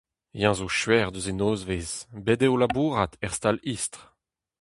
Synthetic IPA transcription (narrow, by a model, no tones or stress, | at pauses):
jɑ̃zoʃɥɛʁd̪øzenoːzvezbed̪eolabuːʁat̪ʰɛʁst̪alist̪ʁ